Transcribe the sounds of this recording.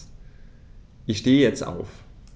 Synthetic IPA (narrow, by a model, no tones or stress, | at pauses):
ʔɪçʃteːəjɛt͡sta̰ʊf